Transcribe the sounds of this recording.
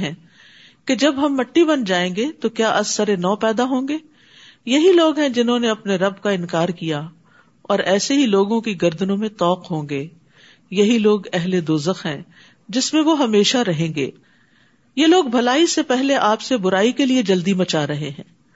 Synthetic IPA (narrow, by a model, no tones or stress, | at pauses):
ɦɛ̃ː | ked͡ʒɐbɦɐmːɐʈːibɐnd͡ʒaːẽːɡet̪okjaːʔɐsːɐɾenɔːpɛːd̪aɦõːɡeː | jɐɦiloːɡɦɛ̃d͡ʒɪnɦõneɐpneɾɐb̚kaɪ̃nkaːɾkija | ɔːɾɛːseɦiloːɡõkiɡɐɾd̪ənõmẽt̪ɔːqɦõːŋɡeː | jɐɦiloːɡɛɦled̪oːzəxɦɛ̰̃ː | d͡ʒɪsmẽʋoɦɐmeːʃaɾɐɦẽːŋɡḛː | jeloːɡ̚bʱɐlaːisepɛɦleʔaːpsebʊɾaːikelied͡ʒɐld̪imɐt͡ʃaːɾɐɦeɦɛ̰̃ː